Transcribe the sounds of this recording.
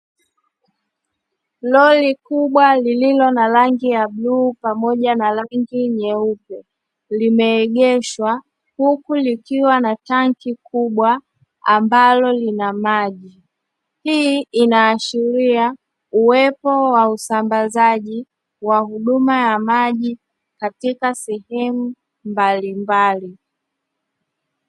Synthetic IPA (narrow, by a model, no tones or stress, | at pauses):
lɔlikuɓwalililɔnalaŋɡijabluːpamɔʄanalaŋɡiɲɛupɛ | limɛːɠɛʃwa | hukulikiwanataŋkikuɓwa | ambalɔlinamaʄi | hiinaːʃiɾia | uwɛpɔwausambazaʄi | wahuɗumajamaʄi | katikasɛhɛmu | mbalimbali